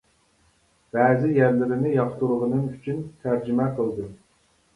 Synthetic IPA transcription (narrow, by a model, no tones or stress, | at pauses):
b̥ɛːzɪjæɾlɪɾɪnɪjɑχt̪uɾəʁənɨŋyt͡ʃʰynt̪ʰæɾd͡ʒymɛqʰəlˠd̪ɨ